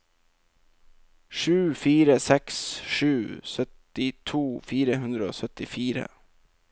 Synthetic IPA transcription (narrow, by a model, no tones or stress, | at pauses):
ʂʉːfiːɾəsɛksʂʉːsœt̪ɪt̪ʰuːfiːɾəɦʉnd̪ɾəo̰ːsœt̪ɪfiːɾə̰